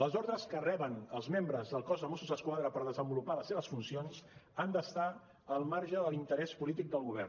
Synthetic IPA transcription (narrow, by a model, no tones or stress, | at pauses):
ləzɔɾðɾəskərɛβənəlˠzmembɾəzðəlˠkɔzðəmosuzðəskwaðɾəpəɾðəzəmbulupaləseβəsfunsionzand̪əst̪a | əlˠmaɾʒəðəlint̪əɾɛspulit̪ik̚d̪əlˠɣuβ̞ɛ̰r